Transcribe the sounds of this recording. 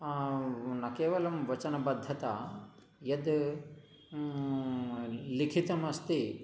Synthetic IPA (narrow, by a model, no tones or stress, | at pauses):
nakeːʋɐlɐmʋɐt͡ʃɐnɐbɐd̪ʱːɐt̪ɐ | jɐd̪ | likʰit̪ɐmɐst̪e